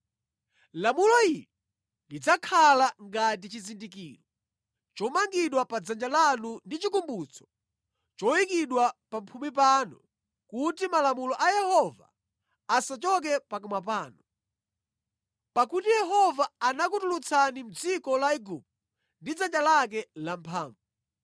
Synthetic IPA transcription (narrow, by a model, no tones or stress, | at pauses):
lamulɔilɛ | lid͡zakʰalaŋɡat̬it͡ʃizindikiːɾɔ | t͡ʃɔmaŋɡiɗwapad͡zand͡ʒalanundit͡ʃikumbut͡sʰɔ̥ | t͡ʃɔwikiɗwapampʰumipaːnṵ | kutimalamulɔʔajɛhɔva̰ː | sat͡ʃɔk̬ɛpak̬umapaːnɔ | pakutijɛɦɔvaːnakutulut͡sʰanim̩d͡zikɔlaiɡup̚ | ndid͡zand͡ʒalak̬ɛlam̩pʰaːɱvu